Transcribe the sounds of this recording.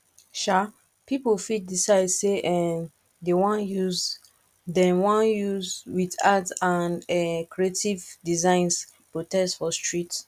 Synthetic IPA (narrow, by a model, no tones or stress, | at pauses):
ʃa | pipofit̚disaɪdseʔɛ | dewɔ̃njuz | dɛ̃nwɔ̃njuzwidatãnɛkɹietivdizãɪ̃ns | pɹotɛstfɔstɹit